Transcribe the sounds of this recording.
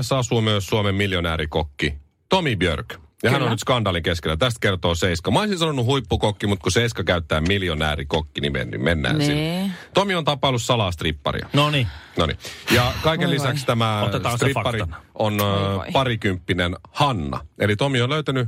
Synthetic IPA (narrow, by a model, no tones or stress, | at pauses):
sɑsuːmyøsːuomemmiljonæ̰ːɾikokːi | t̪omibjø̰rkjɑhænonyt̪skɑndɑːliŋkeskelːæt̪æst̪̚kert̪oːseiskɑmoesinsɑnonːuhuipːukokːimut̪kuseiskɑkæyt̪ːæːmiljonæ̰ːɾikokːinimḛnːy̰menːæ̰ːnssit̪omiont̪ɑpːɑlːussɑlɑːst̪ripːɑ̰rḭɑ̰noninonḭjɑkɑikelːisækkst̪æmæot̪ːsst̪ripːɑɾionpɑɾikympːinenhɑnːɑ̰elit̪omionløyt̪æny